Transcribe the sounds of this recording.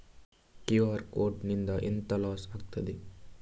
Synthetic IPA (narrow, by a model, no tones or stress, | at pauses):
kiʋaːɾkoːɾʈnind̪ɐʔent̪ɐlaːsaːɡ̚t̪ɐd̪e